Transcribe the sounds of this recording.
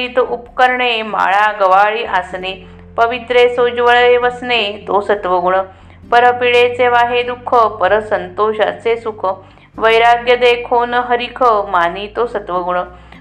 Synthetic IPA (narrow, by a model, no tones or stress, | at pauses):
iːt̪ʔupkəɾɳema̰ɭaɡəʋaɭiːʔasne | pəʋit̪ɾesoːd͡ʒʋəɭeʋəsnet̪oːsət̪ʋəɡuɳə | pəɾəpiɭet͡seʋaːɦed̪ukʰːəpəɾəsənt̪oːɕat͡sesukʰə | ʋəjɾaːɡjəd̪ekʰoːnɦəɾikʰəmaːniːt̪oːsət̪ʋəɡuɳə